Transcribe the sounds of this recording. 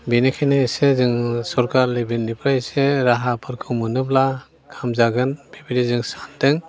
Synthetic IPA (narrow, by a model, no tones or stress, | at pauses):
binekʰenesezɯŋsɔɾkaɾlebinnipʰɾajseɾaɦapʰɯɾkʰɯmɯnɯbla | kʰamzaɡɯnbibilizɯŋsandɯŋ